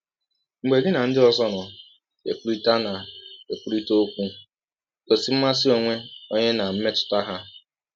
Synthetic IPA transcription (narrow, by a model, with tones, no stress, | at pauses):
ŋ͡m̩˨ɡ͡be˨ɡɪ˦na˨n̩˦dɪ˦ɔ˦zɔ˦nɔ˨ | ḛ˨ku˦ɾi˦ta˦na˨e˨ku˦ɾi˦to˦o˦kʷu˦ | ko˨si˨m̩˦ma˦s̬ɪ˦o˨ŋʷe˦o˦ɲe˦na˨m̩˦me˦tʊ̥˨ta˦ɦa˦